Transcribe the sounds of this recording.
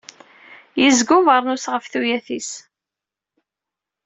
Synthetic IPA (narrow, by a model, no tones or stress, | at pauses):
jizɡʊvəɾˤnusʁəfθujæθis